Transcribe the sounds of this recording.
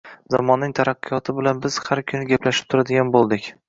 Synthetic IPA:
zamɒnːɪŋt̪ʰaɾaqːɨjɒt̪ʰɪbɪlanbɪz̥haɾkʲʰʊnɪɡʲaplaʃɪ̥p̚t̪ʰʊɾad̪ɪɡʲanbolˠd̪ɪkʲ

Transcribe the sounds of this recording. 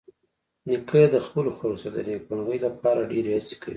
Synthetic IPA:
nikəd̪əxpəloxaɾosod̪ənek̚banɣəjlap̚ɑɾaɖeɾehat͡se̥kə̰wi

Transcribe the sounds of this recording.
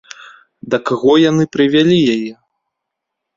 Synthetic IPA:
d̪ɐkaɣɔjanɨpɾɨvʲalʲijajɛ

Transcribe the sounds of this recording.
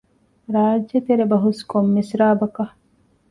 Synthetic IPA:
ɾaːd͡ʒːɐt̪eɾebɐɦuskomːisɾaːbɐkɐ

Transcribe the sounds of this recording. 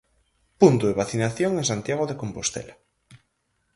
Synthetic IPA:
punt̪oðeβaθinaθjoŋẽŋsant̪jaɣoðekompost̪ḛla

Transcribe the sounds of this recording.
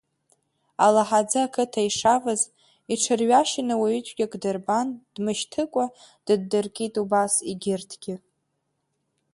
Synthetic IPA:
alaħad͡zɨakʰɨtʰaiʂavaz | iʈ͡ʂʰɨrɥaʃɪnɨwaɥʏt͡ʃʷʼɡʲakʼdɨrband̥mɨʃtʰɨkʷʼa | d̥ɨdːɨrkʲʼitʼubasiɡʲɪrtʰɡʲɪ

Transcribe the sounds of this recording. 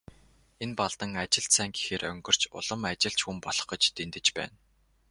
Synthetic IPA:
enpaɮt̪ə̆ŋat͡ɕɪ̆ɬt̪sæːŋɡi̥xeːrœŋɡɞ̆r̥t͡ɕʊ̰ɮ̥ə̆mat͡ɕɪ̆ɬt͡ɕxumpɔɮɞ̆χɞ̆t͡ɕt̪ʰent̪ɘ̆t͡ɕpæ̰ːn

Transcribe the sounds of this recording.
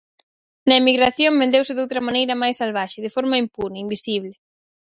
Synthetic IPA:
nɐemiɣɾaθjombend̪ewsɪðowt̪ɾɐmanejɾɐmajsalβaʃeðɪfɔɾmɐimpunɐimbisiβlɪ

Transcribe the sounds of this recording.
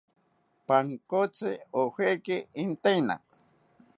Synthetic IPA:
paŋkot͡sɪohekɪint̪ejna̰

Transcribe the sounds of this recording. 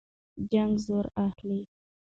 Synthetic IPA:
d͡ʒaŋɡzoɾaxli

